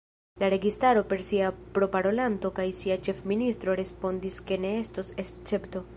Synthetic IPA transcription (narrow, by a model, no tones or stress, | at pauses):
laɾe̞ɡistaɾo̞pe̞ɾsiapɾo̞paɾo̞lanto̞kajsiat͡ʃe̞fministɾo̞ɾe̞spo̞ndiske̞ne̞e̞stosest͡se̞pto̞